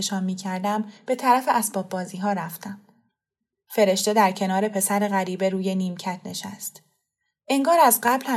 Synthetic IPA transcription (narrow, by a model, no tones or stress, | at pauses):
ʃɒːnmːiːcʰæɾd̪æmb̥e̞t̪ʰæɾæfe̞ʔæsb̥ɒːb̚bɒːziːɦɒːɾæft̪æm | fe̞ɾe̞ʃt̪e̞d̪æɾcʰe̞nɒːɾe̞pʰe̞sæɾe̞ɣæɾiːbe̞ɾuːje̞niːmcʰæt̪ʰne̞ʃæ̰st̪ | ʔe̞ŋɡɒːɾæzɢæblhæ